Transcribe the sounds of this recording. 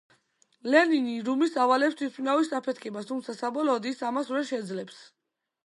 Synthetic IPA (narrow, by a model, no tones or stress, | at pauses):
lɛniniɾumisavalɛpst̪ʰis̚pʰinavisapʰɛt̪ʰkʰɛbast̪ʰumt̪sʰasabɔlɔːd̪isamasvɛɾʃɛd̪zlɛps